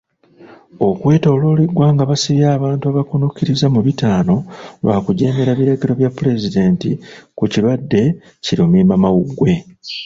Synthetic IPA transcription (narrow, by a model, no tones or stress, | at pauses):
o̞kwe̞ːto̞ːlo̞leɡwaːŋɡaβasiβjaːβaːntuaβakonukiɾizamuβitaːno̞lwa̰ːkuɟe̞ːme̞ɾaβiɾaɟiɾo̞βjapːuɾe̞zide̞ːntikuciɾwadːe̞ | ciɾio̞mimamawuɡwe̞